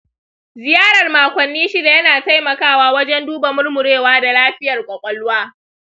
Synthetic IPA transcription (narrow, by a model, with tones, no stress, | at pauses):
zɪ˨jaː˦ɽɐ˨rmaː˨kʷɐ˨nːiː˦ʃi˦da˨jɐ˦naː˨ta˦jmɐ˨kaː˦˨waː˦wɐ˦d͡ʒɛ˦nduː˦ba˨mʊ˦rmʊ˨ɽeː˦˨waː˦da˨laː˦ɸɪ˦jɐ˨rkʷʼɐ˨kʷʼɔ˦lʊ˦waː˦